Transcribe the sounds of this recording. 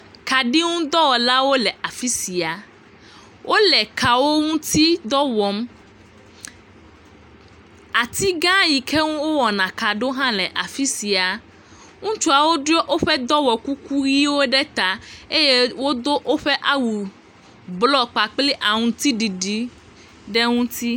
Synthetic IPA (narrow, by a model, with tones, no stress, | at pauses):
ka˨ɖi˦ŋũ˦d̪ɔ˦wɔ˨la˦wo˦lɛ˨ʔa˨fi˦si˨a˨ | wʔo˦lɛ˨ka˨wo˦ŋũ˦t̪i˦d̪ɔ˦wɔ˨m | a˨t̪i˦ɡã˦ji˨kʰe˦ŋũ˦wo˦wɔ˨nã˨ka˨ɖo˦ɦã˦lɛ˨ʔa˨fi˦si˨a˨ | ŋũ˦t͡ʃu˦a˨wo˦ɖo˦ʔo˦ɸɛ˦d̪ɔ˦wɔ˨ku˦ku˦ɣi˦wo˦ɖɛ˦t̪a˨e˦je˦wo˦d̪o˦ʔo˦ɸɛ˦ʔa˦wu˨ | blɔ˦˨k͡pa˨k͡pli˦ʔa˨ŋũ˨t̪i˦ɖi˨ɖi˦ | ɖe˦ŋũ˦t̪i˦